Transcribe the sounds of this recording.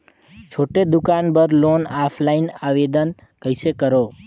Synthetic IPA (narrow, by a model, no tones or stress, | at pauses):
t͡ʃʰoʈed̪ukanbəɾlonapʰlainaʋed̪ən | kəisekəɾo